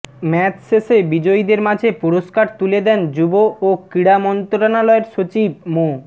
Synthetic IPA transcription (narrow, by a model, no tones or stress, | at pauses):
mɛt͡ɕsesebid͡ʑoid̪eɾmad͡ʑʱepuɾoskaɾt̪uled̪ɛnd͡ʑubookɾiɽamɔnt̪ɾonalɔeɾʃot͡ɕib̚mo